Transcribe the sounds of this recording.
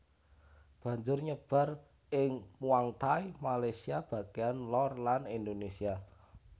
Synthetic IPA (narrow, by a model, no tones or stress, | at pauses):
b̥ä̤ɲd͡ʒʊrɲəb̥a̤r | ʔɪŋmuaŋt̪aimalajsiab̥a̤ɡeanlɔrlanind̪onesia